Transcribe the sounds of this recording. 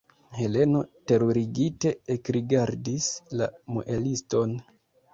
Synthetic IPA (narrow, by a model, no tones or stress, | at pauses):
he̞le̞no̞te̞ɾoɾiɡite̞ekɾiɡaɾdislamo̰ʔelisto̞n